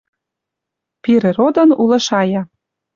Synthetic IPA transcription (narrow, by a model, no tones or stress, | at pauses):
piɾĕɾod̪ɤ̆nulɤ̆ʃɑjɑ